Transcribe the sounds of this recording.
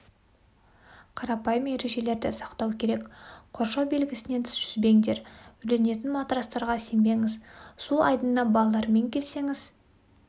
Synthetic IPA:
qʰɑɾɑpɑjəme̞ɾe̞ʒe̞le̞ɾd̪ɪsɑqt̪ɑwkʲʰe̞ɾe̞kqʰo̞ɾʃɑwbe̞lɡʲɪsɪne̞nt̪ʰɪ̥sʒʏzbe̞ŋd̪e̞ɾʏle̞ne̞t̪̬ɪnmɑt̪ɾɑst̪ɑɾʁɑse̞mbe̞ŋɪzsulˠʔɑjd̪ənd̪ɑbɑlˠɑlˠɑɾme̞ŋkʲʰe̞lse̞ŋɪz

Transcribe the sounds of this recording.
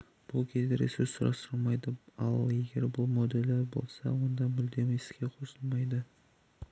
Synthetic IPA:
b̥ʊlˠkʲʰezd̪eɾḛsʊɾssʊɾʔɑ̰st̪ɾəlˠmɑjd̪əɑlˠe̞ɡʲe̞ɾbʊlˠmo̞d̪e̞lːeɾbo̞̰lˠsɑ̰wo̞nd̪ɑmʏld̪e̞mesɪ̥kʲeqʰosəlˠmɑjd̪ə

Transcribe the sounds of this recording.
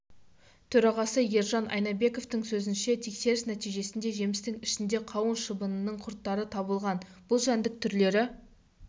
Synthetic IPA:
t̪ʰɵɾɑʁɑsəje̞ɾʒɑnʔɑ̰jnɑbe̞ko̞ft̪ɪŋsɵzɪnʃe̞t̪ʰe̞kse̞ɾɪsnæt̪ijʒe̞sɪnd̪e̞ʒe̞mɪst̪ɪŋɪʃɪnd̪e̞qʰɑwənʃəbənənːəɴqʰʊɾt̪ːɑɾət̪ʰɑbəlˠʁɑnb̥ʊlˠʒænd̪ɪk̚t̪ʰʏɾle̞ɾɪ

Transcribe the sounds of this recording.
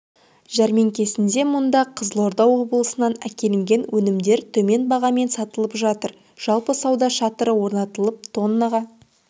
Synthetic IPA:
ʒæɾme̞ŋkʲʰe̞sɪnd̪e̞mʊnd̪ɑqʰəzlˠo̞ɾd̪ɑwo̞blˠəsənɑnækʲe̞lɪŋɡʲe̞nwɵnɪmd̪e̞ɾt̪ʰɵme̞nbɑʁɑme̞nsɑt̪əlˠəpʒɑt̪əɾ | ʒ̥ɑlˠpəsɑwd̪ɑʃɑt̪əɾəwo̞ɾnɑt̪əlˠəp̚t̪ʰo̞nːɑʁɑ

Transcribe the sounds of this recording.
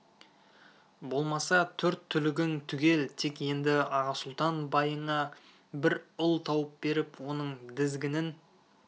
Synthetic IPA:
bo̞lˠmɑsɑt̪ʰɵɾt̪ʰːʏlɪɡʲɪŋt̪ʰʏɡʲe̞lt̪ʰe̞kje̞nd̪ɪɑʁɑsʊlˠt̪ɑnbɑjəɴɑ | bɪɾʊlˠt̪ʰɑwəp̚be̞ɾɪpwo̞nəɴd̪ɪzɡʲɪnɪn

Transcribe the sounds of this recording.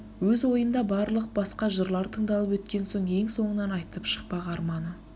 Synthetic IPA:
wɵzwo̞jənd̪ɑbɑɾlˠəq̚b̥ɑsqɑʒəɾlˠɑɾt̪ʰəɴd̪ɑlˠəp̬wɵt̪kʲe̞nso̞ɴe̞ŋso̞ɴənɑnɑjt̪əpʃə̥q̚pɑʁɑɾmɑnə

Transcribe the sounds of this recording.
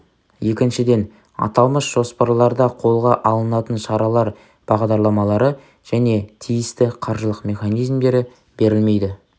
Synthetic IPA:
je̞kʲɪnʃɪd̪e̞n | ɑ̰t̪ɑlˠməsʒ̥o̞spɑɾɑlˠɑɾd̪ɑqʰo̞lˠʁɑʔɑlˠənɑt̪ənʃɑɾɑlˠɑɾ | b̥ɑʁd̪ɑɾlˠɑmɑlˠɑɾə | ʒ̥æne̞t̪ʰijɪst̪ɪqʰɑɾʒəlˠəqmʲe̞χɑnijzmd̪e̞ɾɪ | be̞ɾɪlme̞jd̪ɪ

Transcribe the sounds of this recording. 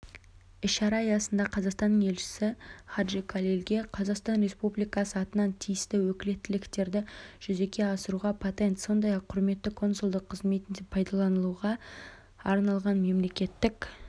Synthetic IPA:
ɪʃʃɑɾɑəjɑsənd̪ɑqʰɑzɑqst̪ɑnːəŋe̞lʃɪ̥sɪχaʒikʰalʲelɡʲe̞qʰɑzɑqst̪ɑnɾe̞spublijkɑsəɑt̪ənɑnt̪ʰijɪst̪ɪwɵkʲɪle̞t̪ːɪlɪkt̪e̞ɾd̪ɪʒ̥ʏze̞kʲʰe̞ɑsəɾuʁɑpʰot̪e̞nt̪so̞nd̪ɑjɑqʰːʊɾme̞t̪ːɪkʰo̞nsʊlˠd̪əqʰːəzme̞t̪ɪnd̪epʰɑjd̪ɑlˠɑnəlˠuʁɑ | ɑɾnɑlˠʁɑnme̞mle̞kʲe̞t̪ːɪk

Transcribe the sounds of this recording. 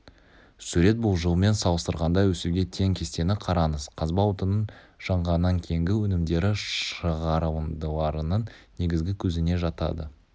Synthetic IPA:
sʉɾe̞t̪̚bʊlˠʒəlˠme̞nsɑlˠəst̪əɾʁɑnd̪ɑjwɵsuɡʲe̞t̪ʰe̞ŋkʲʰe̞st̪e̞nɪqʰɑɾɑnəzqʰɑzbɑwot̪ənən | ʒ̥ɑɴʁɑnːɑŋkʲʰejŋɡʲɪwɵnɪmd̪e̞ɾɪʃəʁɑɾəwənd̪əlˠɑɾənəɴne̞ɡʲɪzɡʲɪkʲʰɵzɪne̞ʒɑt̪ɑ̰d̪ə

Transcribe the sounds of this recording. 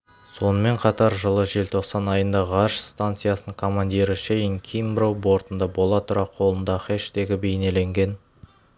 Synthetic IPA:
so̞nəme̞ɴqʰɑt̪ɑɾʒəlˠəʒe̞lt̪ʰo̞qsɑnɑjənd̪ɑʁɑʃst̪ant̪sɨjasənəŋkʰo̞mand̪ʲijɾəʃejəŋkʲʰijmbɾowbo̞ɾt̪ənd̪ɑbo̞lˠɑt̪ʰʊɾɑqʰo̞lˠənd̪ɑχeʃt̪e̞ɡʲɪbe̞jne̞le̞ŋɡʲe̞n

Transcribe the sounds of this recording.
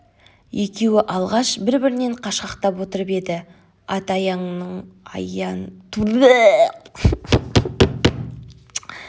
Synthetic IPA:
je̞kʲe̞wɪʔɑlˠʁɑʃbɪɾbɪɾɪne̞ɴqʰɑʃqɑqt̪ɑpwo̞t̪əɾəpe̞d̪ɪ | ɑt̪ɑjɑɴnəɴɑ̰jɑnt̪ʰuɾe

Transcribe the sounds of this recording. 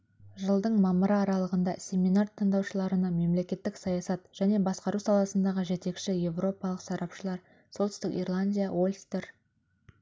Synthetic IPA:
ʒəlˠd̪əɴmɑməɾəːɾɑlˠəʁənd̪ɑsʲe̞mʲinart̪ʰəɴd̪ɑwʃəlˠɑɾənɑme̞mle̞kʲe̞t̪ːɪksɑjɑsɑt̪ʒ̥æne̞bɑsqɑɾuwsɑlˠɑsənd̪ɑʁəʒe̞t̪e̞kʃɪje̞vro̞pɑlˠəqsɑɾɑpʃəlˠɑɾ | so̞lˠt̪ʏ̥st̪ɪkḭrlˠanʲd̪ʲijawolʲst̪eɾ

